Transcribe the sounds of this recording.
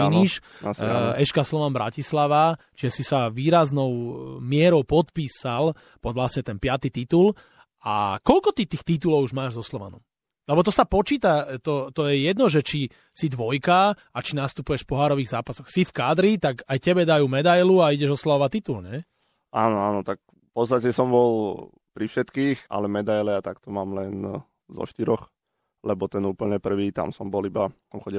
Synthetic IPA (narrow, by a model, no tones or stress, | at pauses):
iniʃ | ɛʃkaslɔʋanbɾʔa̰cislaʋat͡ʃiʒɛsisaʋiːɾaznɔʊmɪɛɾɔʊpɔt̪piːsal | pɔd̪ʋlasɲɛt̪ɛnpɪat̪it̪it̪ul | a̰kɔlkɔt̪it̪iːxt̪it̪̬ulɔʊuʒmaːʒzɔslɔʋa̰nɔ̰m | lɛbɔt̪ɔsapɔt͡ʃiːt̪at̪ɔt̪ɔjɛjɛd̪nɔʒɛt͡ʃi | sid̪ʋɔjka | at͡ʃinast̪upujɛʃfpɔɦaːɾɔʋiːɣzaːpasɔxsifkaːd̪ɾit̪aɡajcɛbɛd̪ajuːmɛd̪ajluaiɟɛʒɔslaɔʋat̪it̪ulɲɛ | aːnɔaːnɔt̪ak̚ | pɔst̪acɛsɔmbɔl | pɾifʃɛt̪kiːxa̰lɛmɛd̪ajlɛat̪akt̪ɔmaːmlɛn | zɔ̰ʃt̪iɾɔx | lɛbɔt̪ɛnuːpl̩ɲɛpr̩ʋiːt̪a̰msɔmbɔlibasɔmxɔɟi